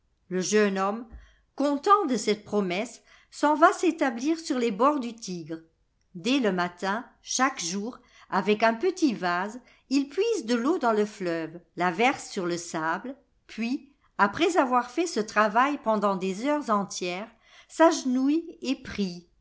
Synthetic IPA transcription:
ləʒœnɔm | kɔ̃t̪ɑ̃d̪əsɛt̪̚pχɔmɛsː | ɑ̃vaset̪abliːʁsyʁlebɔʁd̪yt̪ʰiɡʁ | d̪ɛləmat̪ɛ̃ | ʃakʒuːʁ | avɛkɛ̃pət̪ivaz | ilpɥizd̪əlod̪ɑ̃ləflœvlavɛʁsːyʁləsabl | pɥi | apχɛzavwaʁfɛsət̪χavajpɑ̃d̪ɑ̃d̪ezœʁzɑ̃t̪jɛːʁ | saʒnujepχi

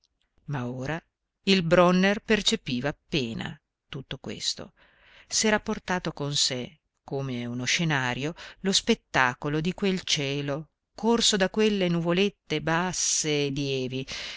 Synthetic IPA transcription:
maoːɾa | ilbɾɔnːerpert͡ʃepiːvaːpːeːna̰ | t̪ut̪ːokwḛst̪o̰ | sɛːɾaport̪aːt̪okonse | koːmeunoʃːenaːɾjolospet̪ːaːkolod̪ikwelt͡ʃɛːlo | kʰorsod̪akːwelːenuvolet̪ːebasːeːd̪iɛːvi

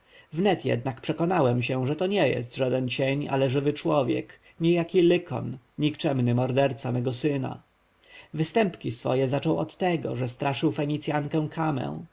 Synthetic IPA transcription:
vnɛt̪jɛ̰d̪nakpʂɛkɔnawɛmɕɛ̃ʐɛt̪ɔɲɛjɛ̰st̪ʐad̪ɛnt͡ɕɛɲa̰lɛʐɘvɘt͡ʂwɔvʲjɛ̰k | ɲɛjakʲilɘkʰɔ̰n | ɲikt͡ʂɛmnɘmɔɾd̪ɛɾt̪samɛɡɔsɘna̰ | vɘst̪ɛmpkʲisfɔ̰jɛzat͡ʂɔ̃w̃ɔ̰t̪ːɛɡɔ̰ʐɛst̪ɾʔaʂɘwfɛɲit̪sʲjaŋkɛ̃w̃kʰamɛ̰̃w̃

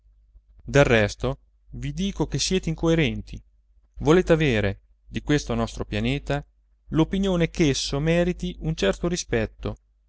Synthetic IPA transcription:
d̪elrːɛst̪o | vid̪iːkok̟esːjɛːt̪eiŋkoeɾɛnt̪i | voleːt̪eaveːɾe | d̪ikwest̪onɔst̪ɾopjaneːt̪a | lopinjoːnekesːomɛːɾit̪iunt͡ʃɛrt̪oɾispɛt̪ːo

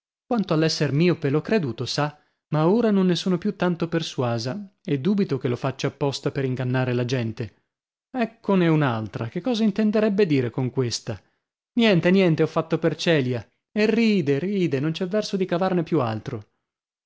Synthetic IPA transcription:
kwant̪oalːɛsːermiːopelokːɾed̪uːt̪osa | maoːɾanonːesuːnopjut̪ːant̪operswaːzaed̪ːuːbit̪okelofat͡ʃːaːpːɔst̪apeɾiŋɡanːaːɾelad͡ʒɛnt̪e | ɛkʰːoneunalt̪ɾak̟ekːɔːzaint̪end̪eɾɛbːed̪iːɾekoŋkwest̪a | njɛnt̪enjɛnt̪eɔfːat̪ːopert͡ʃɛːlja | eriːd̪eriːd̪enont͡ʃɛvːɛrsod̪ikavarnepjua̰lt̪ɾo

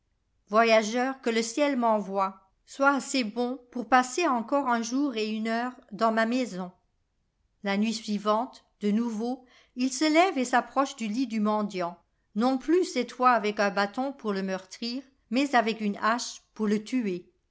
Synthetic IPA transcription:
vwajaʒœʁkələsjɛlmɑ̃vwa | swaːsebɔ̃puʁpaseɑ̃kɔʁɛ̃ʒuʁeynœʁd̪ɑ̃mamɛzɔ̃ | lanɥisɥivɑ̃t̪ | d̪̥ənuvo | ilsəlɛvesapχɔʃd̪ylid̪ymɑ̃d̪jɑ̃ | nɔ̃plysɛt̪fwaːvɛkɛ̃bat̪ɔ̃puʁləmœʁt̪χiːʁ | mɛzavɛkynaʃpuʁlət̪ye

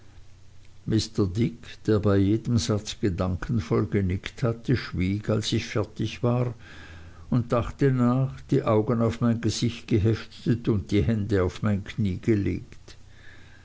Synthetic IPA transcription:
mɪstədɪkʰd̥eːɐbaɪjeːdəmz̥at͡sɡ̥ədaŋkʰən̩fɔlɡənɪkthatʰəʃv̥iːɡalsɪçfɛɐtɪçv̥aːʁ | ʊnt̚d̥aχtənaːχd̥iːʔaʊɡənaʊfmaɪnɡəz̥ɪçtɡ̥əɦɛftətʊnt̚d̥iːhɛndəaʊfmaɪnkʰniːɡ̥əlḛːkt

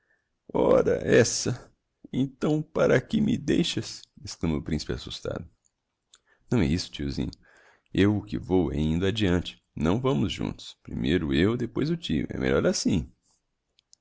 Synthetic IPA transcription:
ɔɾɐ̰ʔɛsɐ | ẽnt̪ɐ̃w̃paɾɐkɪmɪd̪ejʃɐsesklˠɐ̃moʊpɾĩsi̥pɪasust̪a̰d̪ʊ | nɐ̃w̃ɛisʊ̥t͡ʃiuzḭ̃ɲʊ | ewʊkɪvowɛĩnd̪ʊad͡ʒiɐ̃nt͡ʃɪ̥ | nɐ̃w̃vɐ̃mʊzʒṵ̃nt̪ʊ̥spɾimejɾʊewd̪epojzʊt͡ʃiʊ̰ɛ̰mḛʎɔɾasĩ

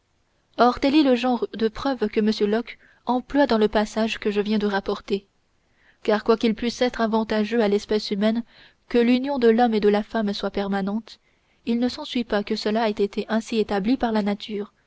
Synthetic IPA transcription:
ɔʁt̪ɛlɛləʒɑ̃ʁd̪əpχœvkəməsjølɔk | ɑ̃plwad̪ɑ̃ləpasaʒkəʒəvjɛ̃d̪əʁapɔʁt̪e | kaːʁkwakʲilpɥisɛt̪χavɑ̃t̪aʒøalɛspɛsymɛn | kəlynjɔ̃d̪əlɔmed̪əlafamswapɛʁmanɑ̃t̪ | ilnəsɑ̃sɥipakəsəlaɛt̪et̪ʰeʔɛ̃siet̪ablipaʁlanat̪ʰyːʁ

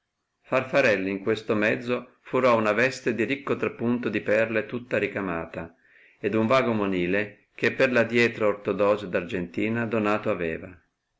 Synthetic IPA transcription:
farfaɾɛlːiŋkwest̪omɛd̪zːo | fuɾɔunavɛst̪ed̪iɾikːot̪ɾapːunt̪od̪ipɛrlet̪ut̪ːaɾikama̰ːt̪a | ed̪uɱvaːɡomoniːle | k̟epːerlad̪jɛːt̪ɾaort̪od̪ɔːzed̪ard͡ʒent̪iːnad̪onaːt̪oavɛːva

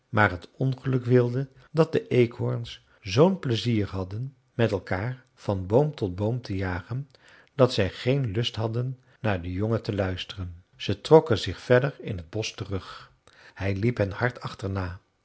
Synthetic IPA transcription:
maːɹɦətɔnχəlɵkʋɪlˠdə | dɑt̚dəʔejkɦɔɹns | zownpləziːɹɦɑdən | mɛtɛlˠkaːɹ | v̥ɑnbowmtɔd̚bowmtʰəjaːχən | d̥ɑtsɛjχejnlɵstɦɑdənː | aːɹdəjɔŋətəlœɥstərən | z̥ətrɔkənzɪχfɛdəɹɪ̰nɦəd̚bɔstərɵχ | hɛjlipɦənhɑɹtʰɑχtəɹnaː

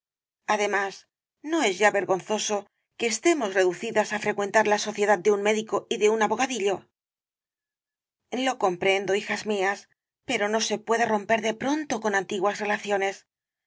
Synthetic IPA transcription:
aðe̞mas | no̞e̞zʝaβe̞ɾɣo̞nθo̞so̞ | ke̞ːst̪e̞mo̞sre̞ðuθiðasafɾe̞kwe̞nt̪aɾlaso̞θje̞ðad̪̚d̪eunme̞ðiko̞iðe̞unaβo̞ɣ̞aðiʎo̞ | lo̞ko̞mpɾe̞nd̪o̞ixazmias | pe̞ɾo̞no̞se̞pwe̞ðero̞mpe̞ɾðe̞pɾo̞nt̪o̞ko̞nant̪iɣwasre̞laθjo̞ne̞s

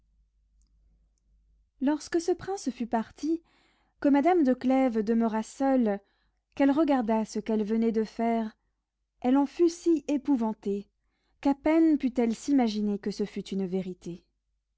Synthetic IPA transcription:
lɔʁskəsəpχɛ̃sfypaʁt̪ʰi | kəmad̪amd̪əklɛvd̪əməʁasœl | kɛlʁəɡaʁd̪asəkɛlvənɛd̪əfɛʁ | ɛlɑ̃fysiepuvɑ̃t̪e | kapɛnpyt̪ɛlsimaʒinekəsəfyt̪ynveʁit̪e

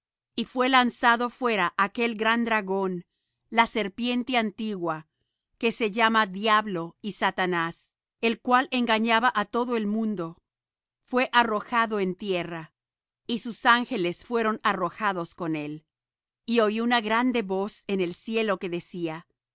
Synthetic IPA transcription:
ifwe̞lansaðo̞fwe̞ɾaʔake̞lɡɾand̪ɾaɣo̞n | lase̞ɾpje̞nt̪eant̪iɣwa | ke̞se̞ʝamaðjaβlo̞isat̪anas | e̞lkwalʔe̞ŋɡaɲaβaʔat̪o̞ðo̞e̞lmũnd̪o̞ | fwe̞ʔaro̞xaðo̞e̞nt̪je̞ra | isusaŋxe̞le̞sfwe̞ɾo̞naro̞xaðo̞sko̞ne̞l | io̞iunaɣɾand̪e̞βo̞senelsje̞lo̞ke̞ðe̞sia

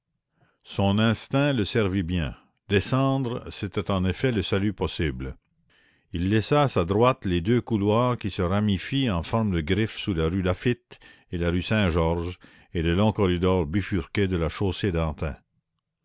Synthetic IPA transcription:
sɔ̃nɛ̃st̪ɛ̃ləsɛʁvibjɛ̃ | d̪esɑ̃ːd̪ʁset̪ɛt̪ɑ̃nefɛləsalypɔsibl | ilːɛsaːsad̪ʁwat̪led̪økulwaːʁkisəʁamifiɑ̃fɔʁmd̪əɡʁifsulaʁyd̪afit̪ | elaʁysɛ̃ʒɔʁʒ | eləlɔ̃kɔʁid̪ɔʁbyfyʁked̪əlaʃosed̪ɑ̃t̪ɛ̃

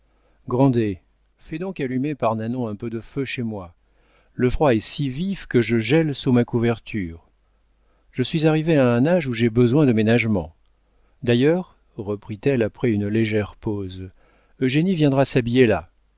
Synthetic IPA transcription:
ɡʁɑ̃d̪e | fɛd̪ɔ̃kalymepaʁnanɔ̃ɛ̃pød̪əføʃemwa | ləfχwaɛsivifkəʒəʒɛlsumakuvɛʁt̪ʰyːʁ | ʒ̥əsɥizaʁiveaɛ̃naʒuʒebəzwɛ̃d̪əmenaʒmɑ̃ | d̪ajœːʁ | ʁəpχit̪ɛlapχɛynleʒɛʁpoz | øʒenivjɛ̃d̪ʁasabijela

